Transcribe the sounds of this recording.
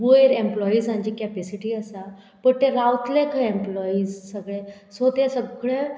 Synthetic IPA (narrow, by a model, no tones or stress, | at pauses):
ʋoeɾẽmplɔizãɲd͡ʑikɛpɛsiʈiəsa | pəɳt̪eɾawt̪ʰlekʰəemplɔizsəɡɭesot̪esəbɭe